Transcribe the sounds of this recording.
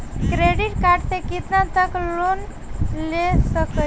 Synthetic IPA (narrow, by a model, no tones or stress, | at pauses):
kɾeɖiʈkaɾʈt̪ekit̪nãt̪əklon | lesəkə